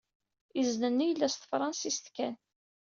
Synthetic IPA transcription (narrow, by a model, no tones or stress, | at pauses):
iznənːijlːæst̪əfɾˤɑnsist̪kæn